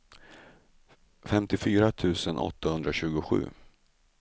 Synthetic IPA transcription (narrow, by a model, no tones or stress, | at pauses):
fɛmt̪ɪfyːɾat̪ʰʉ̟ːsənʔɔ̰t̪ːahɵnd̪ɾaɕʉ̟ːɡʊɧʉ̟̰ː